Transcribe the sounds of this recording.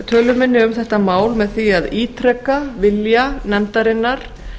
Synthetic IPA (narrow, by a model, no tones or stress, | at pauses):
t̪ʰœːlʏmɪnːɪʏmθɛht̪amaːwlmɛðθiaðiːt̪ʰɾɛkːavɪljanɛnt̪aɾɪnːaɾ̥